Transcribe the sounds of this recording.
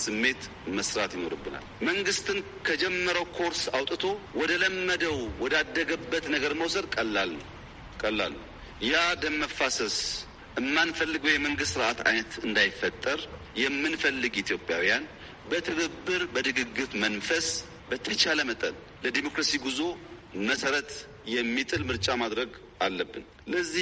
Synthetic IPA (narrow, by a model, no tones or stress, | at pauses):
sɨmːe̞t̪ | məsɾat̪jɪno̞ɾɨbːɨna̰lməŋɡɨst̪ɨn | kʰəd͡ʒɛmːəɾəwkʰo̞ɾsawt̪ʼɨt̪ʰo̞wɔd̪ələmːəd̪əwwɔd̪ad̪ːəɡəbːət̪nəɡəɾməwsəd̪kʼəlːalː | kʼəlːa̰lːu | jad̪əmːəfasəs | ʔɨmːanfəlːɨɡəwjɛməŋɡɨst̪sɨɾʔat̪a̰jnət̪ɨnd̪ajɪfːət̪ʼːəɾ | jɛmːɨnfəlːɨɡit̪ʰjo̞pʼja̰wijan | bət̪ʰɨɡəbːɨɾbəd̪ɨɡɨɡːɨtmənfəs | bət̪ʰət͡ʃaləmət̪ʼə̰l | ləd̪emo̞kɾasiɡuzo | məsəɾət̪ | jɛmːit̪ʼɨlmɨɾt͡ʃʼamad̪ɾəɡ | ʔalːəbːɨn | ləzːi